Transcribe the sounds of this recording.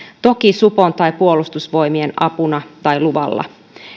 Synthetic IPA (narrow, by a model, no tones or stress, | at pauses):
t̪o̞kisupo̞nt̪ɑjpuo̞lust̪usʋo̞jmienɑpunɑt̪ɑjluʋɑ̰lːɑ̰